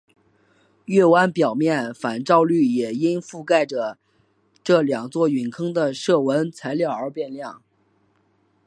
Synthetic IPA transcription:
ɥɛ˥˩wa˥npjɑ˨˩ʊmjɛ˥˩nfa˨˩nʈ͡ʂɑ˥˧ʊly˥˩jɛ˨˩i˥nfu˥˧ka˥˩ɪʈ͡ʂə˩ | ʈ͡ʂɤ˥˩ljɑ˨˩ŋt͡swɔ˥˩y˨˩nkʰɤ˥ŋd̪ə˨ʂɤ˥˩wə˧˥nt͡sʰa˧˥ɪljɑ˥˩ə˞˧˥pjɛ˥˧nljɑ˥˩ŋ

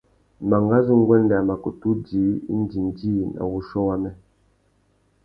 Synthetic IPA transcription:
ma˨ŋɡa˦zu˦ŋ̩˦ɡwɛ˦n˦da˨ma˨ku˨tu˦di˨˦n̩˦di˨n˨di˦na̰˨wu˦ʃɔ˦wa˦mɛ˦

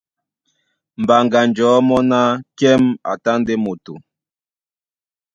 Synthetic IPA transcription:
m̩˨ba˨ŋɡa˨nd͡ʒɔː˨˦mɔ˦na˦kɛ˦ma̰˨ta˦nde˦mo˨tu˨

